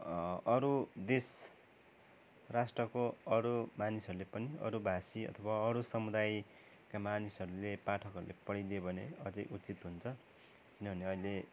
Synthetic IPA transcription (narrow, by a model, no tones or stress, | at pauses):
ʌɾud̪es | rasʈrʌkoʌɾumanisʌɾulepʌniʌ̰ɾubʱasiʌ̰t̪ʰʌbaʌɾusʌmud̪aj | kamanisʌɾulepaʈʰʌkʌɾulḛpʌɽid̪ebʱʌneʌd͡zʌjʔut͡sit̪ɦunt͡sʰʌ | kinʌbʱʌneʌile